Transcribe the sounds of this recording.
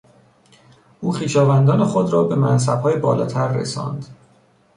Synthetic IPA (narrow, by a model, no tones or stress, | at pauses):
ʔuːxiːʃɒːvænd̪ɒːne̞xod̪ɾɒːbe̞mæns̬æb̥hɒːjebɒːlɒ̰ːt̪ʰæɾːḛsɒ̰ːnd̪